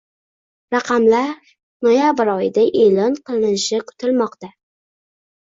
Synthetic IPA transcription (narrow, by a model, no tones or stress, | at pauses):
ɾɑqʰɑmlaɾ | nojabɪɾɒjɪd̪aʔe̞lɒnqʰɨlˠɪnɪʃɪkʰʊ̥t̪ʰɪlmɒqt̪a